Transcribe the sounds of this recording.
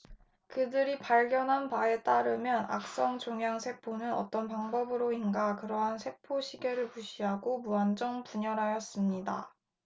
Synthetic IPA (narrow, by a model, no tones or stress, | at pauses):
kɯdɯɾipaɭɡjʌnɦanpae̞t͈aɾɯmjʌna̰k̚s͈ʌŋt͡ɕoŋjaŋsʰe̞k̚pʰonɯnʌ̰t͈ʌnpaŋbʌbɯɾoinɡakɯɾʌɦansʰe̞k̚pʰoɕʰiɡeɾɯɭpuɕʰiɦaɡomuand͡ʑʌŋpuɲʌɾɦajʌs͈ɯmɲida̰